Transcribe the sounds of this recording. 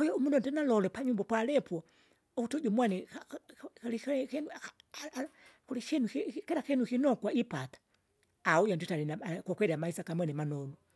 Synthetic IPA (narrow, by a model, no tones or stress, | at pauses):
ɔjɔumundɔndɛnalɔlɛpaɲumbapwalɛpwɔ | ɔtuɟumwani | likkinu | kulikinuhikɛɾakɛnukinɔkwaʔipatḁ | aujandutalinakɔkwɛɾiamaisakamwɛnɛmanɔnu